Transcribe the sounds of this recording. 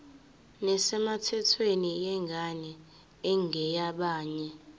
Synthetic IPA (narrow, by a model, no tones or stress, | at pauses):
nɛsɛmatʰɛtʰwenijɛŋɡʱanɛ | ɛŋʱɛjaɓaːɲɛ